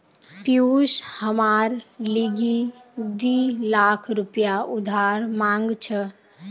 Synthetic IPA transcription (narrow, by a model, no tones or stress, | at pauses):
pjushəmaɾliɡi | d̪ilakʰɾupjaud̪ʱaɾmaŋɡt͡ʃʰə